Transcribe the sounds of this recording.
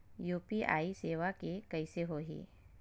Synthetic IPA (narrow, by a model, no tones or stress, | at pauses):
juːpiʔa̰ːiseːʋakekɐɪseɦoːɦḭː